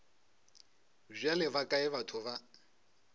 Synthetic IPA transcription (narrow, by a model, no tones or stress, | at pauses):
zʷalɪbakʼaɪβatʰʊβa